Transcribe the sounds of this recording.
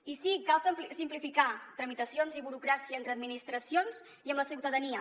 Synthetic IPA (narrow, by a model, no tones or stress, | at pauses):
isikalˠssimplifikat̪ɾəmit̪əsionziβuɾukɾasiəːnt̪ɾəd̪minist̪ɾəsionz | iəmləsiwt̪əðəniə